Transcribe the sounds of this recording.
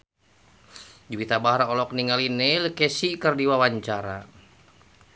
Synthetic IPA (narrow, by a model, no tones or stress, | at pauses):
d͡ʒuwit̪abaɦaɾaɔlɔk̚niŋalinɛlkɛsikərdiwawaɲt͡ʃaɾa